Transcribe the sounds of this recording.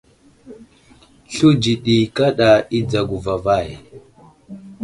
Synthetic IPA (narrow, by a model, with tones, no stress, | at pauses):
ɬu˦d͡ʒi˨ɗi˨ka˦ɗa˨i˦d͡za˨ɡu˨va˨va˦˨j